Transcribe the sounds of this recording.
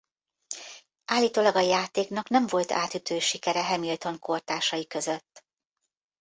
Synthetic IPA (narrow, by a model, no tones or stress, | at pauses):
ʔaːlːiːt̪oːlɒɡɒjaːt̪eːknɒknɛɱvo̞lt̪a̰ːt̪yt̪øːʃikɛɾɛɦɛmilt̪o̞ŋko̞rt̪aːʃɒjikø̞zøt̪ː